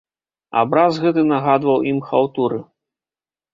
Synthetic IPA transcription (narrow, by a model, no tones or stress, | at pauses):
a̰bɾazɣɛt̪̬ɨnaɣad̪vɐwʔimxawt̪uɾɨ